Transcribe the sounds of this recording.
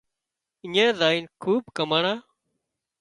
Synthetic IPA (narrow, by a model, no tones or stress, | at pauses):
ɪɲẽːzaːiːnkʰuːbkəməɳaː